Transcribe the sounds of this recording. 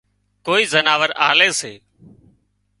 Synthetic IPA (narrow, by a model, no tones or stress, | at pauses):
koːiːzənaːʋəɾa̰ːleːseː